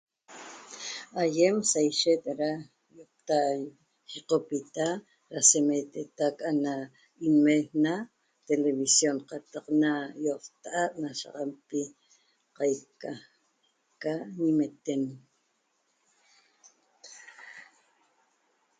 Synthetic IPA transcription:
ajemsajʃet̪ɾa | jot̪aj | χiqopit̪a | ɾasemet̪et̪akaʔana | inmena | t̪eleβisjonqɑt̪aqnajoqt̪aʔaʔnaʃa̰ʁɑmpi | qɑjka | kaɲimet̪en

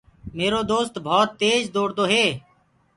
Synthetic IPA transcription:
meːɾoːd̪oːst̪bʱɔːt̪ːeːd͡ʒd̪oːɽd̪oːɦeː

